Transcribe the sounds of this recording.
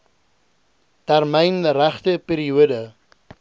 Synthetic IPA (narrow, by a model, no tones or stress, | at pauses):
tærmɛjnræχtəpiːɾiuədə